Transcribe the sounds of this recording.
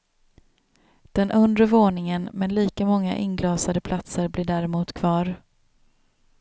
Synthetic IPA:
d̪̥ɛnʔɵnd̪ɾəvoːnɪŋənmɛnliːkamɔŋːa̰ʔɪnɡlɑːsad̪əpʰlat̪səɾblɪːɖæɾɪmuːt̪kʰvɑːɾ

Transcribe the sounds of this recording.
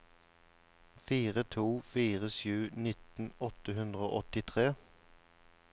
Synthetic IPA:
fiːʁət̪ʰuːfiːʁəsjʉːnɪt̪n̩ɔt̪əhʉnd̪ʁəo̰ːʔɔt̪ɪt̪ʰʁeː

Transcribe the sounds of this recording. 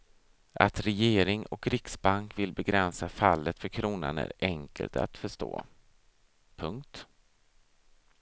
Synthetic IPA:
ʔat̪ɾɛjeːɾɪŋɔkɾɪksbaŋkvɪlbɛɡɾɛnsafalːət̪fœɾkʰɾuːna̰næ̰ɾɛŋkə̰lt̪a̰t̪fœʂto̰ː | pʰɵŋkt̪

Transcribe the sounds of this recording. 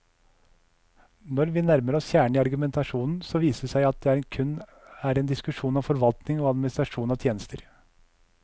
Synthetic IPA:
nɔɾʋiːnæɾməɾɔsjæːɳəiːɑɾɡʉmɛnt̪ʰɑʂuːnn̩sɔːʋiːsəsæɪɑt̪̚d̪ɛæːɾɛːnkʰʉnː | æːɾɛːnd̪ɪskʉʂuːnɑːfɔɾʋɑlt̪nɪŋoːɑd̪mɪnɪst̪ɾɑʂuːnɑʋt̪ʰjeːnəst̪ʰəɾ

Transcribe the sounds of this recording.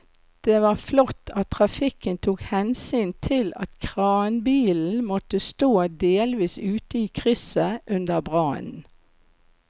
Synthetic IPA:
d̪̥eːʋɑːflɔt̪ʰːɑt̪ʰːʁɑfɪkənt̪ʰuːkhɛnsyːnt̪ʰɪlɑ̰t̪kʰʁɑːnbiːln̩mɔt̪əst̪oːd̪eːlʋiːsʉːt̪əiːkʰʁʏsəʔʉnd̪əbʁɑ̰ːnn̩

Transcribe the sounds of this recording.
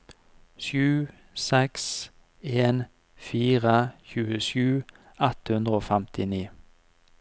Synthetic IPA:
ʃʉː | sɛks | eːn | fiːʁəçʉːəʃʉː | ɑt̪hʉnd̪ʁəoːfɛmt̪ɪniː

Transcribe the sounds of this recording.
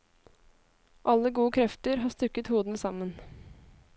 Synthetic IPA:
ʔɑlːəɡuːəkʰɾɛft̪əɾɦɑːst̪ʉkət̪huːd̪n̩sɑmən

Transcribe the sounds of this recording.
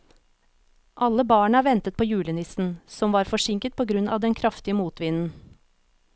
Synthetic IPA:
ʔɑlːəbɑːɳəæːɾʋɛnt̪ət̪̚pʰoːjʉːlənɪsn̩sɔmʋɑːɾfɔʂɪŋkət̪̚pʰoːɡɾʉnɑ̰ʋd̪ɛnkʰɾɑft̪ɪəmuːt̪ʋɪnn̩

